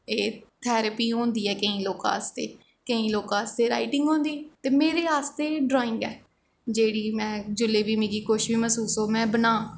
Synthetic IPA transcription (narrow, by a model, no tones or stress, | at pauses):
eːt̪ʰɛːɾəpiːɦõːnd̪iːɛːkəĩːloːka̰ːst̪eː | kəĩːloːkãːst̪eːɾa̰ːɪʈɪ̃ŋɡɦõːnd̪iːt̪eːmeːɾeːaːst̪eːɖɾoːɪ̃ŋɡɛː | d͡ʒeːɽiːmɛ̃ːd͡ʒʊleːbiːmẽːɡiːkʊʃbiːməsuːsoːmɛ̃ːbənaː